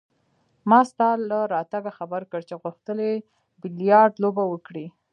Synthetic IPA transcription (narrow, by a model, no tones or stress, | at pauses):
mɑst̪ɑlːaɾɑt̪aɡaxabəɾkəɽt͡ʃeɣuxt̪əle | bɪlijɑɾɖ̪lobawəkɽi